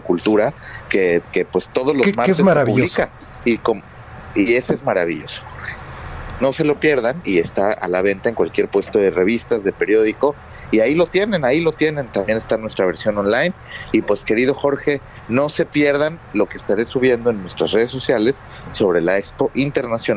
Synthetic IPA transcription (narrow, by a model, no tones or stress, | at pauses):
ekult̪uɾakeke̞pwe̞st̪o̞ðo̞zlozmaɾt̪euβlika | ikom | ie̞soezmaɾa̰β̞iʝo̞so̥xo̞ɾxe̞̥no̞se̞lo̞pje̞ɾðanie̞st̪aa̰laβ̞e̞nt̪aeŋkwalkje̞ɾpwe̞st̪o̞ðe̞re̞β̞ist̪azðe̞pe̞ɾjo̞ð̞iko̞ | iailo̞t̪je̞nẽ̞nailo̞t̪je̞nẽ̞nt̪ambje̞ne̞st̪anwe̞st̪ɾaβ̞e̞ɾsjo̞no̞nlajn | ipwe̞ske̞ɾið̞o̞xo̞ɾxe̞ | no̞se̞pje̞ɾðanlo̞keːst̪aɾe̞suβje̞nd̪o̞enːwe̞st̪ɾasre̞ð̞esːo̞sjale̞sː | o̞β̞ɾe̞laekspo̞ʔint̪e̞ɾnasjo̞na